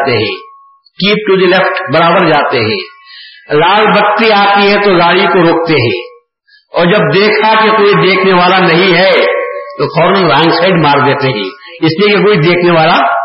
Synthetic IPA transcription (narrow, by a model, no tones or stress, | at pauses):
t̪eɦɛ̰̃ː | kiːp̚ʈud̪ilɛfʈbɐɾaːbəɾd͡ʒaːt̪eɦɛ̰̃ː | laːlbəkt̪iaːt̪iɦɛ̃t̪oɡaːɽiokoɾoːk̚t̪eɦɛ̰̃ː | ɔːɾd͡ʒɐb̚d̪eːkʰakekoːid̪eːkʰneʋaːlanɐɦĩɦɛt̪opʰɔːɾnɪ̃ŋɡɾãːŋɡsaːɪɖmaːɾd̪eːt̪eɦɛ̰̃ː | ɪsliekekoːid̪eːkʰneʋaːla